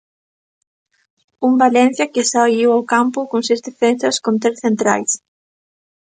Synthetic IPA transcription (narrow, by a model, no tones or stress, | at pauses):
umbalɛ̃n̟θjɐkɪsaiwawkampʊkõŋsezðefensɐskõnt̪ɾesθent̪ɾa̰js